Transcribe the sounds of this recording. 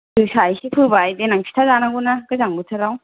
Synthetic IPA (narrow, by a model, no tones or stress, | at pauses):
dɯsajsipʰɯbajdenaŋpʰi̥tʰazanaɡunakɯzaŋbɯtʰɯɾaw